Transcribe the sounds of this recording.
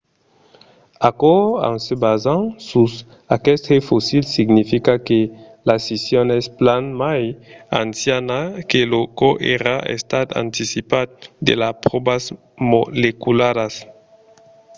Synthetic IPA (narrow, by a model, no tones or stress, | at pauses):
akɔã̰ŋsebazãŋsus | akɛst̪efosilsiɡnifikake | lasisjonɛsplanmajansjanakelokoʔeɾaḛst̪at̪a̰nt̪isipat̪̚d̪ḛlapɾobas | molekulaɾas